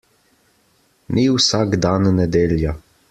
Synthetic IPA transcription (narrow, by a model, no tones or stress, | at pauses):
nʔiwsaɡd̪aːnːɛd̪eːlja